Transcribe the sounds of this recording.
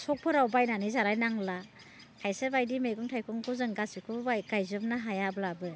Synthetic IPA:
sɔk̚pʰɯɾawbajnanɯjzaɾajnaŋla | kʰajsebajdimeɡuŋtʰajkʰɔŋkʰuzɯŋɡasikʰubajɡ̥ajzɯmnaɦajablabɯ

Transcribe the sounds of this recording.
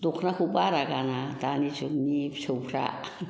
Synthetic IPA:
t̪ukʰnakubaɾakanat̪anit͡ʃunipt͡ʃʰupɾa̰ʔ

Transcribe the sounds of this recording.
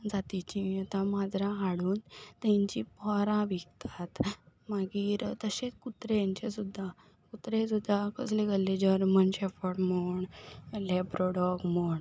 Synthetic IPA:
d͡zat̪it͡ɕiat̪ãmad͡zɾãɦaɽuːnt̪ɛ̃ɲt͡ɕipɔɾãʋikt̪ʰat̪maɡiːɾt̪əɕekut̪ɾejaɲt͡ɕesud̪ʱːa | kut̪ɾesud̪ʱːakʰəsleɡəlːed͡ʑəɾmənɕefəʈmoɳlebɾoɽɔɡmoɳ

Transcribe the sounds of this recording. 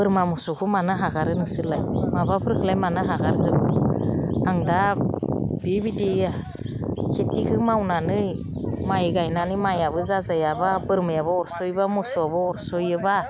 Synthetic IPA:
bɯɾmamusukʰɯmanɯɦaɡaɾɯnɯsɯlajmabapʰɯɾkʰɯlajmanɯɦaɡaɾzɯb | aŋda | b̥ibidia | kʰetikʰɯmawnanɯj | majɡajnanɯmajaβɯzazajababɯɾmɯjaβɯɔɾsɔjbamusuabɯɔɾsɔjɯba

